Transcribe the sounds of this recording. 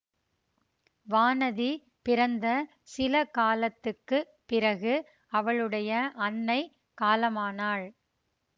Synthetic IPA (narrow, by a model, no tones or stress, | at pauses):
ʋaːnɐði | pɪɾɐnd̪ɐ | sɪlɐkaːlɐt̪ːɯkːɯ | pɪɾɐɣɯ | ɐʋɐɭɯɽɐjɐʔɐnːɐɪ | kaːlɐmaːnaːɭ